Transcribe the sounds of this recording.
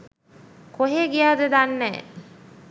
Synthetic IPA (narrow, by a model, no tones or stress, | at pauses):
koɦeːɡijaːd̪əd̪anːɛ̰ː